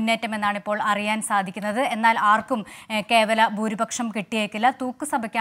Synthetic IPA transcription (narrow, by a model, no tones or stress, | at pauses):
nːeːtːɐme̞nːaːɳipːo̞ːɭɐrijaːnsaːd̪ʱikʲːunːɐðɨe̞nːaːlaːrkumke̞ːʋɐlɐbʱuːɾibɐkʂɐmkiʈːije̞ːkːilːɐt̪uːkːɨsɐbʱɐkʲːaː